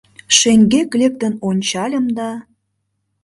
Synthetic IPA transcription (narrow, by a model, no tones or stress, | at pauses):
ʃeŋɡeklek̚t̪ə̆nonʲt͡ɕɑlʲə̆md̪ɑ